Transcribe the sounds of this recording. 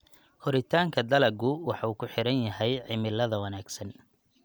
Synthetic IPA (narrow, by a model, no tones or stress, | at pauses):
hɔɾɪt̪ʰaːŋkʰɐd̪ɐlɐɡʊwɑħɑuːkʰʊħɪɾɐnjɐɦɛjʕɪmɪlɐðɐwɐnaːɡsɐn